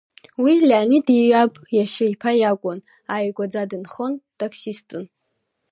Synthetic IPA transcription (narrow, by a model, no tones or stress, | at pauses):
wilʲaːnidiapʼjaʃɪjpʰajakʷʼʊn | ajɡʷʼad͡zadɨnχontʼakʰsistʼun